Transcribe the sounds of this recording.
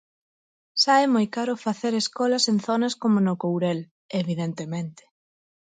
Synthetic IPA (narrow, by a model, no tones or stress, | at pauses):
ʃaɛmojkaɾʊfaθeɾeskɔlɐsenθɔnɐskomonʊkowɾel | eβiðent̪emẽnt̪ɪ̥